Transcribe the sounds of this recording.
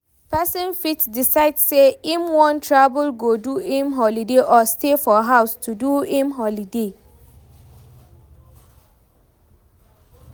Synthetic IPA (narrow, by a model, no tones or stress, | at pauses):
pʰɛsɔ̃nfitdisaɪdseĩmwɔ̃ntʰɹabulɡoduĩmɦɔlideʔɔstʰefɔɦaʊstʰuduĩmɦɔlide